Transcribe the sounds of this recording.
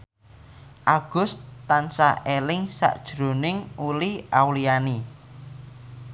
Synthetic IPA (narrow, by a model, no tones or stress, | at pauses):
ʔaɡ̥ʊst̪ansa̰ʔelɪŋsa̰ʔd̥ʒ̥ɾo̤nɪŋuliawliani